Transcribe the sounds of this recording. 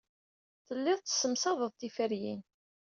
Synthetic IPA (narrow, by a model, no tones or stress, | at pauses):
θəlːɪðˤt͡s̪ːsəmsɑðˤəðˤt̪ifəɾjḭn